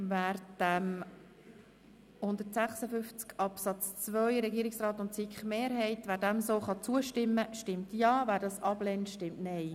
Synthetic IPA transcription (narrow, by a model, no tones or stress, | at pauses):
væːɾd̥æm | hʊnd̪əɾtsæχsəfʏft͡skɑpsɑt͡st͡svœʏɾɛɡiəɾɪksrɑːt̪ʊntsɪkχəmeːɾɦɛɪtʋæːɾdæmsoːχɑt͡suəʃtɪmːəʃtɪmtjɑːvæːɾdɑsɑb̥lɛntʃtɪmtnɛɪ